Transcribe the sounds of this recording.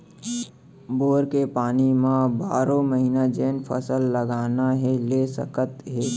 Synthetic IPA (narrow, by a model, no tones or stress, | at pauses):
boːɾkepaːnimãbaːɾõməɦiːnad͡ʒeːnpʰə̰səlːəɡaːnaɦɛlesə̰kət̪ɦɛː